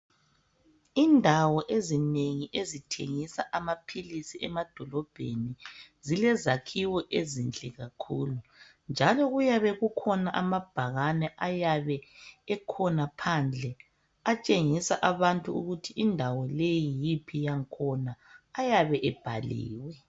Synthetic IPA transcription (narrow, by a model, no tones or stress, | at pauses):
indʱawɔʔezineŋiʔezitʰḛŋisaʔamapʰilisiɛmad̥ʱɔlɔb̥ʱḛnizilɛzakʰiwɔʔezint͡ɬʼɛɣakʰuːlu | nd͡ʒʱalɔɣujaβɛɣukʰɔnaʔamab̥ʱaɣanɛʔajaβɛɛkʰɔnapʰand͡ɮʱɛ | at͡ʃʼeŋisaʔaβantʼuuɣutʰiʔindʱawɔlejijipʰijaŋkʰɔnaːjaβɛʔɛb̥ʱalḭːwɛ